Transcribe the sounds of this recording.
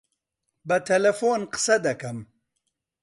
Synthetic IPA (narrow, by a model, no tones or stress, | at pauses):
bɐt̪ʰɐlɐfoːnqə̥sɐd̪ɐkɐm